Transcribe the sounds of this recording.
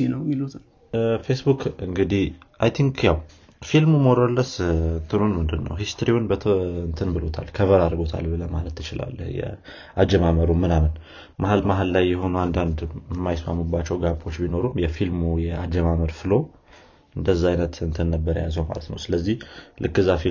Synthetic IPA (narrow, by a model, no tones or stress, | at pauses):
inəwmilut̪ʰ | fesbukɨŋɡɨd̪ih | ʔajt̪ʰiŋkjaw | filmumoɾəlːəst̪ʰɨnunmɨnd̪ɨnːə̰wɦist̪ʰɾiwunbət̪ʰɨnt̪ʰɨnbɨlot̪ʰa̰lkʰəβəɾaɾɡo̞t̪ʰa̰lbɨləmalət̪ʰːɨt͡ʃɪla̰lːə̰hjɛ̰ | ʔad͡ʒɛmaməɾumɨnamɨn | mʔahalmaɦallajːɛɦo̞nuand̪and̪mːajɪsma̰mːubːat͡ʃːɛwɡabʼo̞t͡ʃːbino̞ɾumjɛfilmujɛad͡ʒəmaməɾfɨlo̞ | ɨnd̪əzːaajnət̪ɨnt̪ʰɨnːəbːəɾə̰jazəwma̰lət̪nə̰wsɨləzːihlʔɨ̰kːɨzːafi